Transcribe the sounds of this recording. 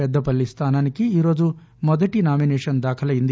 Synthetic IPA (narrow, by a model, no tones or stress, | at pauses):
ɛd̪ːɐpɐɭːist̪ʰaːnaːnikiiːɾo̞ːd͡ʒu | mɔd̪ɐʈinaːminɛːʂɐnd̪aːkʰɐlɐjind̪i